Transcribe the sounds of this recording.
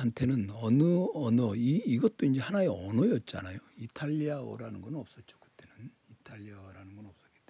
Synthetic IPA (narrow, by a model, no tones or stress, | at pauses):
hantʰe̞nɯnʌnɯʌnʌiːɡʌt̚t͈oind͡ʑe̞hanaeʌnʌjʌt̚t͡ɕ͈a̰najoitʰaʎːiao̰ɾanɯnɡʌnɯnʌp̚s͈ʌt̚t͡ɕ͈o̥kɯ̥t͈e̞nɯn | itʰaʎːiaoɾanɯnɡʌnʌp̚s͈ʌk͈et͈e